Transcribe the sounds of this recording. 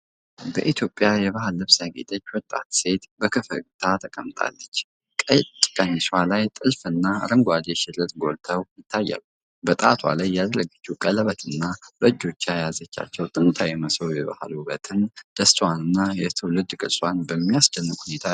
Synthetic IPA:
bəʔit̪ʰjo̞pʼːjajɛβahɨlːɨβsaɡḛt̪ʼət͡ʃːwɔt̪ʼːa̰t̪se̞t̪bəkʰɨfə̰ɡɨt̪ʰat̪ʰəkʼəmt̪ʼʰa̰lːət͡ʃː | kʼət͡ʃʼkʼənːiswalajt̪ʼɨlfɨnːaɾəŋɡʷad͡ʒ̪eʃɪlət̪ɡo̞lt̪ʰəwjɪt̪ʰːajːa̰lu | bət̪ʼa̰t̪ʰwa̰lajːad̪ɾəɡət͡ʃːukʼələβət̪ʰɨnːab̥əd͡ʒːo̞t͡ʃːajazət͡ʃːa̰t͡ʃːɛwt̪ʼɨnt̪ʰajɛməsowjɛβa̰hlubət̪ʰɨnd̪̥əst̪ʰʼwanɨnːajɛt̪ʰɨwlɨd̪kʼɨsʼwanbəmːijasd͡ʒɛnːɨkhune̞t̪ʰa

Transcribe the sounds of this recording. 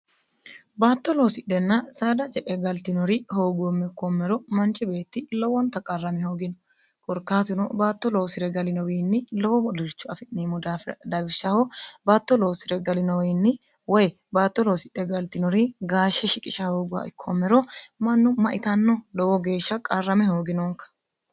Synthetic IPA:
baːt̪ːɔlowsɪᶑɛnːɐsaːd̪ɐt͡ʃʼɛʔʼɛɡɐlt̪ɪnɔɾɪho̞ːɡʊɔmːɛkːɔmːɛɾɔmɐnt͡ʃɪbe̞ːt̪ːɪlɔwɔnt̪ɐkʼɐrːɐmɪhoːɡɪnɔ̥ | kʼɔɾkaːt̪ɪnɔbaːt̪ːɔlɔːsɪɾɛɡɐlɪnɔwiːnːɪlɔwɔbɔd̪ɪlt͡ʃːʊɐfɪnniːmʊd̪aːfd̪ɐbɪʃːɐhɔbaːt̪ːɔlowsɪɾɛɡɐlɪnɔwiːnːɪ | wɔj | baːt̪ːɔlɔwsɪᶑɛɡɐlt̪ɪnɔɾɪɡaːʃːɛʃɪkʼɪʃɐho̞ːɡʊwɐ̰ʔɪkʰːɔmːɛɾɔmɐnːʊmɐʔɪt̪ɐnːɔlɔwɔɡe̞ːʃːɐkʼɐrːɐmɛho̞ːɡɪnoŋkɐ̥

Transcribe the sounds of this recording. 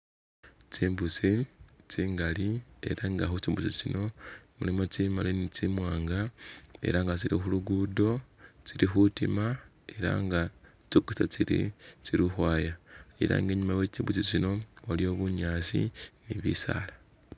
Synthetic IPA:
t͡ʃiːmbusit͡ʃiːŋɡalie̞̰ɾaŋɡaxut͡ʃiːmbusit͡ʃino̞mulimot͡simalinit͡ʃimwaːŋɡae̞̰ɾaŋɡat͡siɾixuluɡudo̞t͡siɾixutima | e̞ɾa̰ŋɡa | t͡ʃikusat͡siɾḭt͡ʃiɾuxwaːjaḭɾa̰ːŋɡe̞ːɲumawe̞ːt͡ʃiːmbusit͡ʃino̞walio̞βuɲaːsḭniβḭsa̰ːla

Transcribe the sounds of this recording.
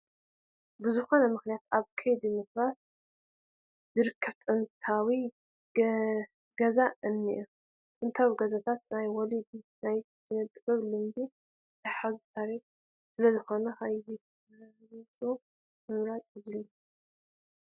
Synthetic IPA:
bɨzɨxo̞nɐmɨxnijat̪aβkʰejd̪imokɾas | zɨɾɨkʰːɐβt̪ʼɨnt̪ʰawi | ɡ̥ɐzaɨnːḭʔu | t̪ʼɨnt̪ʰawiɡɐzat̪ʰat̪̚najwɔlid̪inajʰ | ɨnɨt̪ʼɨkʼɨβlɨmd̪i | t̪ʰaħazut̪ʰaɾix | sɨlɐzɨxo̞nɐxaji | jt͡sʼo | mɨmɾat̪ʼɨβɨlːu

